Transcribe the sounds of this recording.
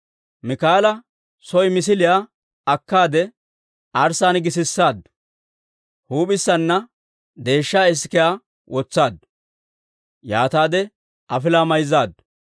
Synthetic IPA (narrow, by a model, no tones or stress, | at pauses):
mɪkaːlɐ | sɔjmɪs̬ɪlɪjaː | ɐkːaːd̪ɛ | ʔɐɾsaːnɡɪsɪsːaːd̪ | huːpɪsːɐnːɐ | d̪e̞ːʃːaːɪs̬kɪjaː | wʔɔt͡sːaːd̪ | jaːt̪aːd̪ɛ | ʔɐfɪlaːmɐjzaːd̪